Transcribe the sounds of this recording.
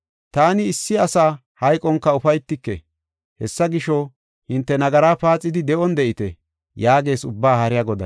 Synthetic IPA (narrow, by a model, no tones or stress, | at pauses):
t̪aːnɪːsːɪɐsaː | hɐjkʼɔŋkːɐʊfɐjt̪ːɪkːɛ̰ | hɛsːɐɡɪʃɔ | hɪnt̪ːɛnɐɡɐɾaːpaːt͡sʼːɪd̪ɪd̪ɛʔɔnd̪ɛʔɪt̪ɛ | jaːɡe̞ːsʊbːaːhɐɾɪjaɡɔd̪ɐ̰n